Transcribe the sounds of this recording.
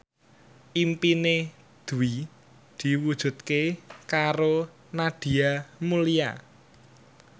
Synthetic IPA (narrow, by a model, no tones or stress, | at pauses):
ʔimpine | d̪̥uwi | d̪̥i̤wud̥ʒ̥ṳt̪̚kekaɾo | naɖ̪̥i̤amulia̰